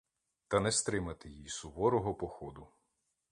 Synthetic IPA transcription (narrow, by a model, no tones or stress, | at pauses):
t̪ɐnɛst̪ɾɪmɐt̪ɪjisʊʋɔɾɔɦɔpɔxɔd̪ʊ